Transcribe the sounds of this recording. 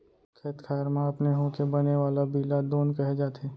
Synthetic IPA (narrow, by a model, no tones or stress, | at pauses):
kʰeːt̪kʰaːɾmãɐpneɦõkebɐneʋaːlabiːlad̪oːnkɐɦed͡ʒaːt̪eː